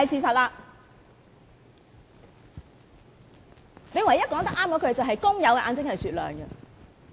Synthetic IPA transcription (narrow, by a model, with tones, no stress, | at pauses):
ɐ˨jsiː˨˧sɐ˨t̚laː˧ | ne˨˧jwɐ˨˩jɐ˥t̚kɔː˨˧˥ŋt̪ɐ˥k̚ʔaː˥mkɔː˨˥kʰɵ˨˧ɥt͡sɐ˨wɦɐ˨jkʊ˥ŋjɐ˨˧wkɛ˧ʔa̰ː˨˧nt͡sɪ˥ŋhɐ˨jsyː˨t̚lœ̰ː˨ŋɡɛ˧